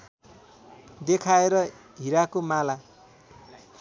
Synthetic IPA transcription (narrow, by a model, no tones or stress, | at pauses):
d̪ekʰaeɾʌ | ɦiɾakomala